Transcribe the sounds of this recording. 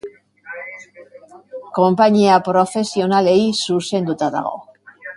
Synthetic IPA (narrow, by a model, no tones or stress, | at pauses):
ko̞mpaɲiapɾo̞fe̞sio̞nale̞jsuse̞nd̪ut̪aða̰ɣ̞o̞̰